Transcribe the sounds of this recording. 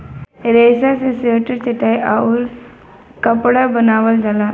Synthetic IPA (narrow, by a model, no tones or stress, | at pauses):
ɾeːsaseseʈəɾt͡ʃeʈajʔaul | kəpɽabənaːʋəld͡ʒala